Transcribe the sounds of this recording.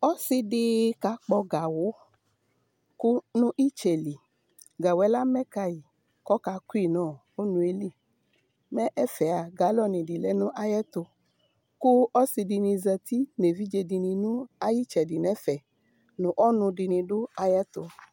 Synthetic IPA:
ɔ˦si˧di˧ka˧˦k͡pɔ˧ɡa˨wo˨˦ | ku˦nũ˦ʔi˦t͡ʃɛ˨li˨ | ɡa˨wɛ˨˦la˦mɛ˦ka˧ji˨ | kɔ˦ka˧ku˦i˦˨nɔ̃ː˦˨ | o˦nũ˧e˧li˦˨ | mɛ̃˦ʔɛ˦fɛ˨a˨ɡa˨˦lɔ˦˨nĩ˨di˨lɛ˨˦nũ˦ʔa˧jɛ˦to˧ | ku˦ɔ˦si˧di˧nĩ˧zɛ˧ti˦ne˨vi˦d͡ʒe˧di˧nĩ˧nũ˦a˦ji˦t͡ʃɛ˨di˨nɛ̃˨˦fɛ˨ | nũ˨ʔɔ˦nũ˧di˧nĩ˧dʊ˦a˧jɛ˦to˧

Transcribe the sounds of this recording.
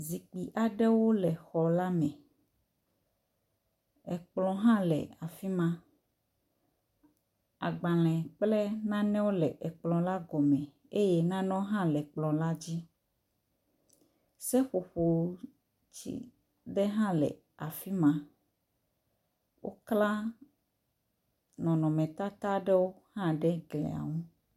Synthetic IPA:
zi˨k͡pi˨ʔa˨ɖɛ˦wo˦lɛ˨xɔ˨la˦mɛ̃˨ | ɛ˨k͡plɔ̃˨ɦã˦lɛ̰˨a˨fi˦mã˦ | a̰˨ɡ͡ba˨l̃ɛ̃˨k͡plɛ˦nã˦nɛ̃˦wo˦lɛ˨ʔɛ˨k͡plɔ̃˨la˦ɡɔ˨mɛ̃˨ | e˦je˦nã˦nɔ̃˦ɦã˦lɛ˨k͡plɔ̃˨la˦d͡ʑi˦ | sɛ˦ɸo˨ɸo˨˦ | t͡ɕḭ˦ | ɖɛ˦ɦã˦lɛ̰˨ | a˨fi˦mã˦ | wʔo˦kla˦ | nɔ̃˨nɔ̃˨mɛ̃˨t̪a˦t̪a˦ɖɛ˦wo˦ | hã˦ɖɛ˦ɡlɛ̰˨a̰˨ŋũ˦

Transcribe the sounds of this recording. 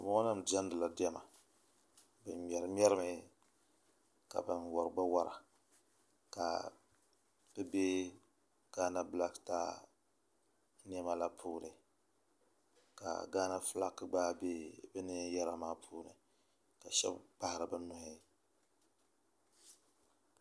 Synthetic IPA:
bʊ˦a˦nɨ˦md͡ʒa˦n˦dɨ˨la˨dɛ˦ma˨ | bɨ˨m˨ɛ˨ɾɨ˨˦m˦ɛ˦ɾɨ˦mɨ˨˦ | ka̰˨bɨ˨nwɔ˨ɾɨ˨ɡ͡ba˦wa˦ɾa̰˨ | ka̰˨ | b̥ɨ˦be˦ | ɡ̥aː˦na˦bla˦ktaː˦ | ni˦ɛ˦ma˦la˦pʰuː˦nɨ˨ | ka̰˨ɡaː˦na˦fɨ˦la̰˦kːɨ˦ɡ͡baː˦be˦bɨ˦nɨ˦jɛ˦ɾa˨maː˦pʰuː˦nɨ̰˨ | ka˨ʃɛ̰˦bɡ͡ba˦hɾɨ˨bɨ˦nʊ˨hi˦

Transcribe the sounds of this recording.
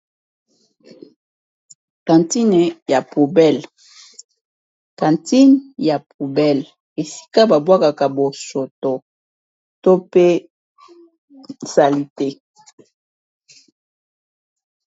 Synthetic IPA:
kã˨nti˦n˨ja˨pu˨bɛ˦˨l | kã˨nti˦nja˨pu˨bɛ˦˨l | e˨si̥˦ka˦ba˨bwa˦ka˨ka˨bo˨so˨to˨ | to˦pe˦ | sa˨li˨te˦

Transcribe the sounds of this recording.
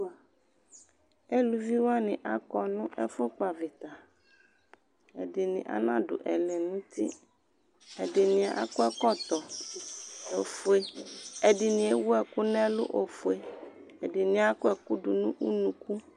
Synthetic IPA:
e˦lu˨vi˦wa˦nɪ̃˨ʔa˦kɔ˦nʊ̃˦ʔɛ˦fʊ˦k͡pa˨vɪ˨t̪a˨ | e˨dɪ˨nɪ̰̃˨ʔa̰˦nã˦ɖʊ̰˨ʔɛ̰˨le˨nũ˦t̪i˦ | ɛ˨dɪ˨nĩ˨a˨ʔa̰˦ku˦ɛ˦kɔ˦t̪ɔ˨ | o˨fe˦e˨ɖɪ˨nĩ˨e˦wu˦ɛ˦ku˦nɛ̃˦lʊ̰˦ʔo˨fu˨e˦e˨dɪ˨nĩ˨a˦kɛ˨ku˦ɖu˨nũ˦ʔu˦nũ˨ku˦

